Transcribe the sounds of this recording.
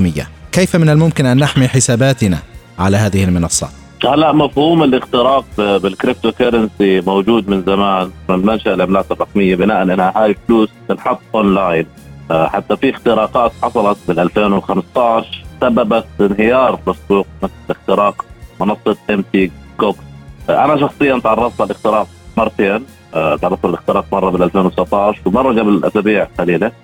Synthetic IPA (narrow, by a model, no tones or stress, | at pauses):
mɪjːa̰kejfamɪnalmʊmkɪnʔanːaħmiħɪsaːbaːt̪na̰ | ʕalaɦaːðɪhɪlmɪnɑsˤːɑ̰ | halːaʔmafhuːmɪlʔɪxt̪ɪɾɑːq̪̚bbɪlkɾɪp̚t̪okaɾˤɪnsimowd͡ʒuːd̪mɪnzamaːnmɪnmanʃaʔlʕamlaːt̪ɪrˤːɑqmɪjːabɪnaːʔanʔɪnhahaːjfɪluːst̪ɪnħɑt̪ˤːʔonlaːjn | ħat̪ːafiɪxt̪ɪɾɑːqɑːt̪ħɑsˤɑlɑt̪̚bɪlʔalfeːnwxamst̪ɑʕʃsabːabat̪ɪnɦɪjɑːɾˤlasbuːq̚mɪθlɪlʔɪxt̪ɪɾɑːqmʊnɑsˤːɨt̪ʔɪmt̪iːkokʔa̰naʃɑxsˤɨjːɑnt̪ʕɑrˤːɑft̪alʔɪxt̪ɪɾɑːq̚ | mɑɾˤt̪eːn | t̪ʕɑɾrˤɑfˤalʔɪxt̪ɪɾɑːqmɑrˤːɑbɪlʔalfeːnwt̪sɪbt̪ˤɑʕʃwɪmɑrˤːɑɡablɪlʔa̰sabiːʕxaliːla